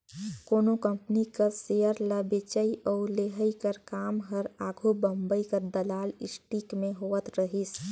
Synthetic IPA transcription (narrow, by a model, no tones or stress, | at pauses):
koːnokə̃mpnikəsejəɾləbet͡ʃəiʔɔːɾleɦəikəɾkaːmɦəɾaːɡʱobə̃mbəikəɾd̪əlaːlɪ̰sʈikmẽɦoːət̪ɾəɦis